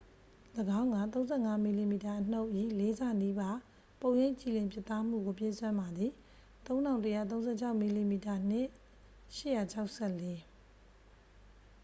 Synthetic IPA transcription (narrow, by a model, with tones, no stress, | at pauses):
ləɡã˦ʊ̃ŋɡa˨t̪̬õ˦ʊ̃zɛ̰˦˨ŋa˦mi˨li˨mi˨ta˨ʔən̥o˦ʊʔji˦˨le˨˦za˦˨ni˦ba˦ | põ˨jẽ˦˨ɲt͡ɕi˨lɪ̃˨mpjɪ˦t̪ːa˦m̥ṵ˦˨ɡo˨p̬je˦˨swã˦mba˨d̪ði˨ | t̪õ˦ʊ̃nã˨ʊ̃ntəja̰˦˨t̪̬õ˦ʊ̃zɛ˦˨t͡ɕʰa˦ʊʔmi˨li˨mi˨ta˨n̥ɪ˦˨ʔ | ʃɪ̰˦˨ja˨t͡ɕʰa˦ʊʔsʰɛ˦˨le˦